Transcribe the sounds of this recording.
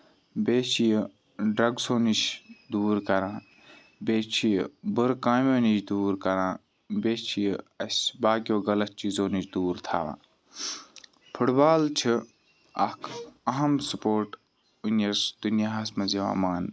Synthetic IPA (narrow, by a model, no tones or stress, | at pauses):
beːt͡ʃʰijə | ɖɐɡsoːnit͡ʃʰd̪uːɾkɐɾãː | beːt͡ʃʰijbɨɾkãːmʲoːnit͡ʃʰd̪uːɾkɐɾãː | beːt͡ʃʰijɐsʲbaːkʲoːɡɐlɐt̪̚t͡ʃiːzoːnit͡ʃʰd̪uːɾt̪ʰa̰ːʋã̰ː | pʰuʈbaːlt͡ʃʰi | ɐ̰kʰɐɦɐmsupoːɾʈ | unɐɾsd̪̥unjaɦɐsmɐziʋa̰ːmaːn